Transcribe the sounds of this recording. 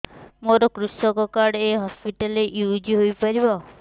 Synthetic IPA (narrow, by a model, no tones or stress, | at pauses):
moɾɔkɾusɔkɔkaɽeɦɔspiʈaleʔjud͡ʒiɦojpaɾibɔ